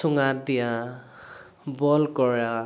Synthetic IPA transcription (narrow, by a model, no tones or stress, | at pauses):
ɔŋadijã | bɔlkɔɹa